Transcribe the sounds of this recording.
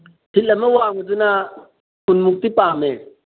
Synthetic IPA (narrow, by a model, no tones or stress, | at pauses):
tʰilːɐmewaːŋud͡zuna | kunmuk̚t̪ipaːme